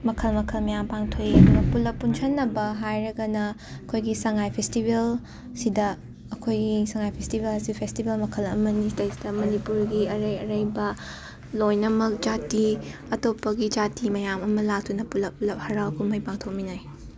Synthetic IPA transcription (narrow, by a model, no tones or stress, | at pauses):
mɐkʰɐlmɐkʰɐlmɐjampaŋtʰoidɡɐpulɐpːunsʰɐnːɐbɐɦajɾɐɡɐnɐɐkʰojɡisɐŋajpʰestibel | sidɐː | kʰojɡisɐŋajpʰestibelɐsipʰestibelmɐkʰɐlɐmɐnistɐjsidɐmɐnipuɾɡiɐɾɐjɐɾɐjbɐ | lojnɐmɐk̚d͡ʒati | ɐtopːɐɡid͡ʒatimɐjamɐmɐlak̚tunɐpulɐp̚ːulɐp̚hɐɾawkʰunmɐjpaŋtʰok̚minaj